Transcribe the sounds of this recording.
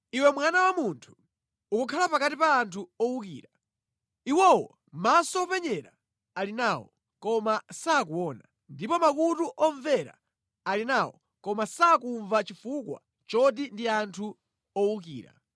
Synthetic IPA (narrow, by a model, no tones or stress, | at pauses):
iwɛmwanawamuntʰu̥ː | kukʰalapakatipaːntʰuɔwukiːɾa | iwɔwɔ | masɔpɛɲɛɾa | alinawɔ̰ | kɔmasaːkuwɔːna | ndipɔmakutuʔɔɱvɛɾa̰ | alinawɔ̰ | kɔmasakuɱvat͡ʃifukwa̰ | t͡ʃɔdindiantʰu | ɔwukḭːɾa̰